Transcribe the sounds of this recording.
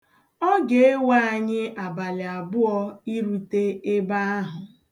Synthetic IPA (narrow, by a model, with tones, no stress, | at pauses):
ɔ˦ɡe˨e˦wa˦a˨ɲɪ˦a˨ba˨lɪ˨a˨bʊ˦ɔ˦i˦ɾu˨te˦e˦ba˦a˦ɦʊ˨